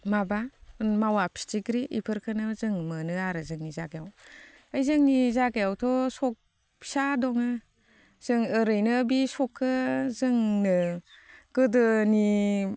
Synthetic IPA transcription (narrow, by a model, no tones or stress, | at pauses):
mabanmawapʰi̥tiɡɾiʔḭpʰɯɾkʰɯnɯzɯŋmɯnɯaɾɯzɯŋnizaɡejaw | ajzɯŋnizaɡejawtʰɔsɔk̚ | pʰi̥sadɔŋɯ | z̥ɯŋɯɾɯjnɯbisɔkʰːɯzɯŋnɯ | ɡ̥ɯdɯni